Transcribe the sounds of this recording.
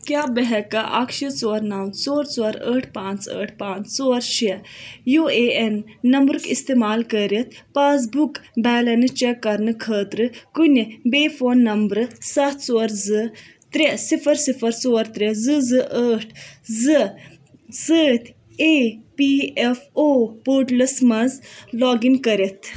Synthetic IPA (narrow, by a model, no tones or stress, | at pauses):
kjaːbɐɦɛkɐʔɐkʃit͡soːɾnaːwnt͡soːɾt͡soːɾəːʈʰpãːnt͡sə̰ːʈʰpaːnt͡st͡soːɾʃijueːenːɐmbɾɨkist̪eːmaːlkəɾit̪ʰpaːz̬bukbɛːlɐnɨt͡ʃekːɐɾnɨkʰəːt̪ɾɨkunibeːfoːnːɐmbɾɨsɐt̪ʰsoːɾzɨ | t̪ɾesifɐɾsifɐɾsoːɾt̪ɾezɨzɨʔəːʈʰzɨ | zəːt̪ʰ | eːpiːefoːpoːʈlɐsmɐzlɔːɡinkəɾit̪ʰ